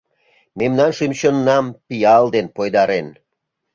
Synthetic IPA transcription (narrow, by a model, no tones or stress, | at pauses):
memnɑnʃimɕonːɑmpiɑld̪enpojd̪ɑɾen